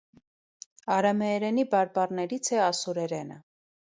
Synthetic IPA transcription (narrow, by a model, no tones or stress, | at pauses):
ɑɾɑmɛːɾɛnibɑɾbɑrnɛɾit͡sʰɛɑsuɾɛɾɛnə̰